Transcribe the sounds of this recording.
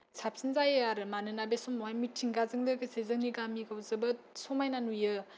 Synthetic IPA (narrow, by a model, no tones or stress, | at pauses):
sʰap̚sinzajɯaɾɯmanɯnabesɔmɔwajmitʰiŋɡazɯŋlɯɡɯsezɯŋniɡamiɡawzɯbɯ | sɔmajnanujɯ